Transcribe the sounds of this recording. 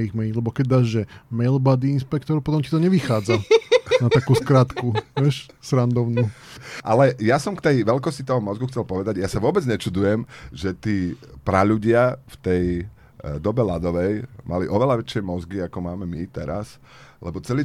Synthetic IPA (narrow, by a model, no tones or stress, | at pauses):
iɣmɛilɛbɔkɛɟ̚d̪aːʒʒɛmɛlbad̪iinspɛkt̪ɔɾpɔt̪ɔmcit̪ɔɲɛʋixaːd͡zanat̪akuːskɾaːt̪kuɛʃ | sɾand̪ɔʊnu | ʔalɛjasɔmkt̪ɛjʋɛlkɔscit̪ɔɦɔmɔzɡuxt͡sɛlpɔʋɛd̪aɟjasaʋʊɔbɛd͡zɲɛt͡ʃud̪ujɛmʒɛt̪iːpɾaʎuɟɪaft̪ɛj | d̪ɔbɛlad̪ɔʋɛjma̰liʔɔʋɛlaʋɛt͡ʃɪɛmɔzɡiakɔmaːmɛmit̪ɛɾa̰s | lɛbɔt͡sɛliː